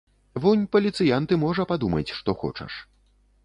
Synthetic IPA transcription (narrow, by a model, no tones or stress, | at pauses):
vɔnʲpɐlʲit̪sɨjant̪ɨmɔʐɐpad̪umɐt͡sʲʂt̪ɔxɔ̰t͡ʂɐ̰ʂ